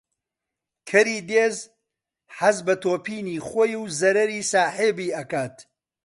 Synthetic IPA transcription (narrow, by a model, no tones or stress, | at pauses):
kʰɐɾiːd̪eːz | ħɐzbɐt̪oːpiːniːχoːjuwzɐɾɐɾiːsaːħebiːʔɐkaːt̪